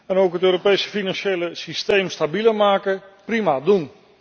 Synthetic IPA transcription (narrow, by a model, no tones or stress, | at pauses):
ɛnowkɦətøːɾopejsə̥finanʃejləsistejmstabiləmaːkəprimadun